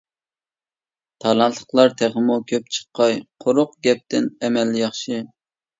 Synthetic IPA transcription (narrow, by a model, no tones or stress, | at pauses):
t̪ʰɑlˠɑnt̪ʰːə̥χlˠɑɾt̪ʰæʁəmukʲʰøp̚t͡ʃʰə̥qːɑjqʰoɾʊqɡʲɛp̚t̪ɪnɛmɛlːɪjɑχʃɨ